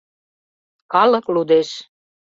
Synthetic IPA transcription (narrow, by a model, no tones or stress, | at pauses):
kɑlɤ̆klud̪eʃ